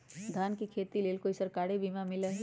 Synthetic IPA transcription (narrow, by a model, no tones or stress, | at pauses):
d̪ʱaːnkikʰeːt̪ileːlkoɪsəɾkaːɽebʱiːmamɪləɦ